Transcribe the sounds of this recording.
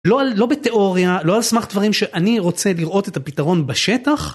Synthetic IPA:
lo̞allo̞bet̪e̞ʔo̞ʁjalo̞alsmaχd̪vaʁimʃe̞ʔaniʁo̞t͡se̞liʁʔo̞t̪et̪apitaʁo̞nbaʃe̞t̪aχ

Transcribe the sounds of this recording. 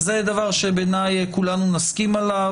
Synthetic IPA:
zed̪avaʁʃebenajkulanunaskimala

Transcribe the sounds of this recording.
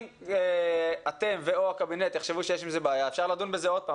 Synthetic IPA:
at̪e̞mveoakabinet̪ːeχʃe̞vuʃejeɛʃ̬imzebeːjaefʃaʁlad̪unbezeo̞d̪̚paː

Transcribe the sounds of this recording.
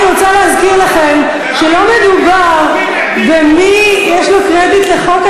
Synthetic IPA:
ʁot͡salezkiʁlaχem | ʃelo̞med̪ubaʁ | vemijeʃlokʁed̪it̪leχo̞k

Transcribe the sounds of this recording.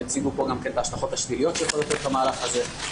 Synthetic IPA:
et͡siɡupo̞ɡamkentaaʃtaχo̞t̪aʃlilijo̞t̪ʃejeχolot̪jot̪tamaːlaχaze̞

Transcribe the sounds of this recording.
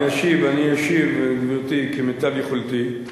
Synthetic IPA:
aʃivanijaʃivmot̪ikimetabjeχolt̪i

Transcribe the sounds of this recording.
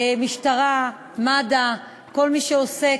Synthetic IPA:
miʃtaʁa | mada | ko̞lmiʃeose̞

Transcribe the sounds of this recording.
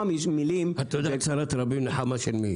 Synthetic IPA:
mimilimhat̪od̪aet͡saɾat̪ɾabimneħamaʃelmḭ

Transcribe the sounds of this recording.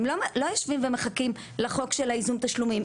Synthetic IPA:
mlomlojaʃvimvemeχakim | laχo̞kʃelaizumt̪aʃlumim

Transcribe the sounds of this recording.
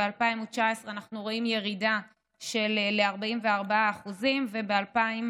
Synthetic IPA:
ealpaimut͡ʃaesʁeanaχnuʁo̞imje̞ʁida | ʃe̞lːeaʁbaimveaʁbaaːχuzimve̞be̞alpaim

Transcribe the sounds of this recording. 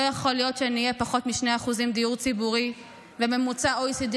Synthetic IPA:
jaχo̞lijo̞tʃeaniːjepaχo̞t̪miʃneaːχuzimd̪iuʁt͡sibuʁi | veme̞mut͡saoisid̪i

